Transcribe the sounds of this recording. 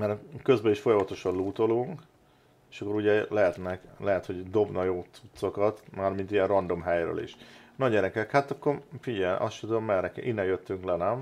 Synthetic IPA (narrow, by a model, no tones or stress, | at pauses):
mɛɾkø̞zbɛiʃfo̞jɒmɒt̪o̞ʃɒnluːt̪o̞luŋk | eʃɒkːo̞ɾuɟɛlɛɦɛt̪nɛklɛɦɛt̪ho̞ɟd̪o̞bnɒjoːt̪sut̪so̞kɒt̪maːrmint̪ijɛnrrɒnd̪o̞mɦɛjrø̰ːlḭʃnɒɟɛɾɛkɛkhaːt̪ɒkːo̞rfiɟɛʔɒstud̪obmːɛrnɛkɛ̰ʔinːɛnjøt̪ːyŋklɛnɛm